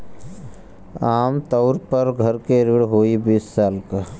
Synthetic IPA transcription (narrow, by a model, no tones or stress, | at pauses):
aːmt̪əʊɾpəɾɡʱɐɾkeɾɪɽɦoːibiːsːaːlka